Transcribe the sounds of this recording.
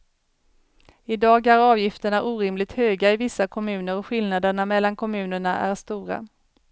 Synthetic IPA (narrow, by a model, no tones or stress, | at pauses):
ɪd̪ɑːɡæɾɑːvjɪft̪əɳaʔuːɾɪmlɪɡ̚t̪høːɡaɪvɪsːakʰɔmʉ̟ːnəɾɔɧɪlnad̪əɳamɛlːankʰɔmʉ̟ːnəɳaʔæ̰ɾʂt̪uːɾa̰